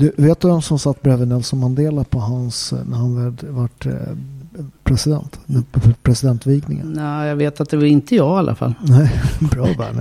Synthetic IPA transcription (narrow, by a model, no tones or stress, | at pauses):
d̪ɵveːt̪vɛmsɔmsat̪ːbɾɛvənɛlsɔmhand̪eːlapʰɔɦansnæɾhanvɛd̪vaʈ | pʰɾɛsɪd̪ɛ̰nt̪npʰɾɛsɪd̪ɛnt̪viːɡnɪŋə̰nnæːjɑɡveːt̪at̪̚d̪ɛvaɾɪnt̪əjɑːɡalʔa̰fa̰lːnɛɪbɾɑːvæ̰ːɳ